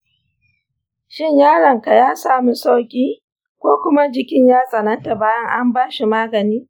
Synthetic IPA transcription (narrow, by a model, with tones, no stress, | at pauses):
ʃɪ˦ɲjaː˦ɽɐ˨ŋka˨jaː˦saː˦˨mu˦sa˦wkʲʼiː˦ | kʷoː˦kʷʊ˦ma˦d͡ʒɪ˦kʲɪ˦ɲjaː˦sʼɐ˨nɐ˦nta˨baː˦jɐ˦ŋʔa˦mbaː˦ʃi˨maː˦ɡɐ˨niː˦